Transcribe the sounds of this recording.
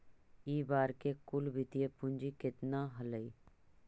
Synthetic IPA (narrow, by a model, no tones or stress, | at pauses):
iːbaːɾkekʊlbʱɪt̪ijepʊnd͡ʒikɪt̪naɦələiː